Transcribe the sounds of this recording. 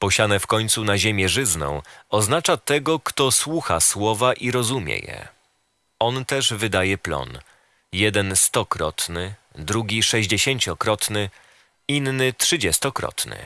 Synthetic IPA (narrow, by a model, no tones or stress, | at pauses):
pɔɕanɛfkɔɲʲt̪sunaʑemʲjɛʐɘznɔ̰̃w̃ɔznat͡ʂat̪ɛɡɔkt̪ɔswuxaswɔvaʔiɾɔzumʲjɛ̰jɛ̰ | ɔnt̪ɛʐvɘd̪ajɛplɔ̰n | jɛd̪ɛnst̪ɔkɾɔ̰t̪nɘd̪ɾuɡʲiʂɛʑd͡ʑeɕeɲt͡ɕɔkɾɔt̪nɘ | inːɘtʂɘd͡ʑɛst̪ɔkɾɔ̰t̪nɘ̰